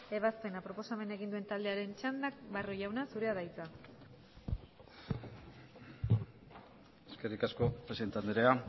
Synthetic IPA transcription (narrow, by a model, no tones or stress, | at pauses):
e̞β̞aspe̞napɾo̞po̞same̞naeɣind̪ue̞nt̪ald̪e̞aɾe̞nt͡ʃand̪ak̚baroʝawnasuɾe̞aðajt͡sa | eskerikasko̞pɾesiðent̪and̪eɾea